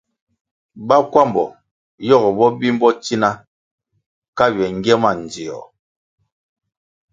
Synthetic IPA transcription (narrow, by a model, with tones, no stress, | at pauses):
ba˦kwa˦˨mbɔ˨ | jɔ˦˨ɣɔ˨bɔ˦bi˦m˦bɔ˦ti˦na˦ | ka˦ɥɛ˨ŋ˦ɡjɛ˦ma˦˨n˨d͡zi˨ɔ̰˨